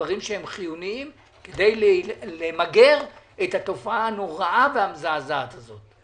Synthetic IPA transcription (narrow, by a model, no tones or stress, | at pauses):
aʁimʃehemχijuniim | ked̪e̞jllemaɡe̞ʁ | ethat̪o̞faano̞ʁaʔavehamzaːzaaat̪azo̞t̚